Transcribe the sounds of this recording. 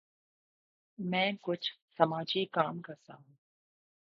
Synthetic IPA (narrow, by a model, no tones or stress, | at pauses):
mɛ̃ːkʊt͡ʃʰsɐmaːd͡ʒikaːmkasaːũː